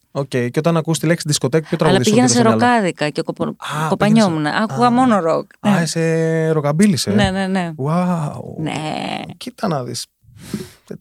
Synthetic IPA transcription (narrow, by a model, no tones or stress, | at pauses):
oce̞jceo̞t̪ɐnɐkust̪ileksiðisko̞t̪ekupçot̪ɾɐɣɐlɐðspiʝenɐsseɾokɐðikɐcekopɐko̞pɐɲomunɐ̰ʔɐkuɣɐmo̞noɾo̞kseɾokɐbilisene̞ne̞ne̞wawnḛcit̪ɐnɐðḭs